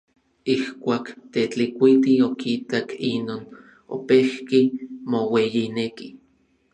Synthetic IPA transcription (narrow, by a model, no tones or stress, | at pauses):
ihkʷaːkt̪et͡ɬikʷit̪iokit̪akinoːn | o̰pehkimowejineki